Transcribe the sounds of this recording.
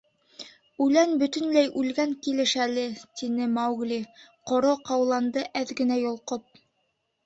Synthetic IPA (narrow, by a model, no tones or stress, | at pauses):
ʉlænbɵ̆t̪ɵ̆nlæjʔʉlɡæŋkilɘ̆ʃælɘt̪inɘmɑwɡlʲiqŏɾoqɑwlˠɑnd̪ɤʔæðɡɘ̆næjŏlˠqop̚